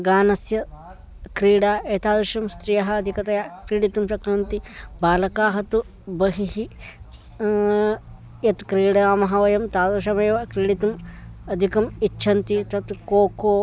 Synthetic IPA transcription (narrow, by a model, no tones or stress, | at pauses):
ɡaːnɐsjɐ | kɾiːɽaːeːt̪aːd̪ɾuʃɐmst̪ɾijɐɦɐːd̪ʱikɐt̪ɐjakɾiːɽit̪umpɐkɾɐnt̪ibaːlɐkaːɦɐt̪u | bɐɦiɦi | jɐt̪kɾiːɽaːmɐɦɐʋɐjɐmt̪aːd̪ɾʃɐmeːʋɐkɾiːɽit̪umɐd̪ʱikɐmitːʃʰɐnt̪it̪ɐt̪koːkoː